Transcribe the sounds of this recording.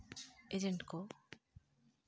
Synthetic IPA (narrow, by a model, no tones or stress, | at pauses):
ed͡ʒeɳʈko